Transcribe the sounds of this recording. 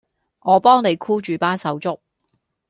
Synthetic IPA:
ŋɔː˨˧pɔː˥ŋne˨˧jkʰuː˥t͡ʃyː˨˧paː˥sɐ˨˧wt͡sʊ˥k̚

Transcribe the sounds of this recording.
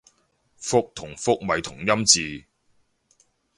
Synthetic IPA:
fʊ˥k̚t̪ʰʊ˨˩ŋfʊ˥k̚mɐ˨jt̪ʰʊ˨˩ŋjɐ˥mt͡siː˨˧

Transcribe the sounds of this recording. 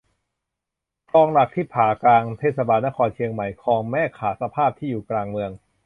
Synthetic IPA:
kʰɔː˧ŋla˨˩k̚t̪ʰiː˥˩pʰaː˩˦klaː˧ŋt̪ʰeː˥˩t̪sa˧baː˧nːa˦˥kʰɔː˧nt͡ɕʰi˧əŋma˧˩jkʰɔː˧ŋmɛː˥˩kʰaː˩˦sa˧pʰaː˥˩p̚t̪ʰiː˥˩juː˨˩klaː˧ŋmɯ˧əŋ

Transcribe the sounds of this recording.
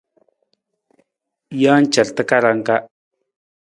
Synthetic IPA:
ja˦n˦t͡ʃa˨lt̪ə˦ka˦ɾa˨˦ŋka˦

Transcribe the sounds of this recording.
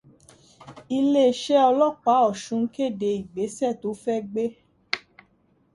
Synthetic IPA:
i˧le˦˨ʃɛ˦ɔ˧lɔ˦k͡pa˨˦ɔ˦˨ʃũ˨˦ke˦˨de˧i˨ɡ͡be˨˦sɛ˦˨to˨˦fɛ˦ɡ͡be˦

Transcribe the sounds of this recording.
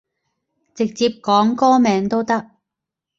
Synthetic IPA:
t͡sɪ˨k̚t͡siː˧p̚kɔː˨˥ŋkɔː˥mɛː˨˧ŋt̪o˥wt̪ɐ˥k̚

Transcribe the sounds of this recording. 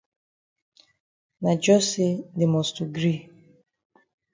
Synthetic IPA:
na˨d͡ʒɔ˦se˦de˨mɔ˨stu˨ɡɾi˦

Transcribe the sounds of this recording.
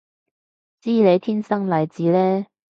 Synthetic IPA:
t͡siː˥le˨˧jt̪ʰiː˥nsɐ˥ŋlɐ˨˧jt͡siː˨˧˥lɛː˥

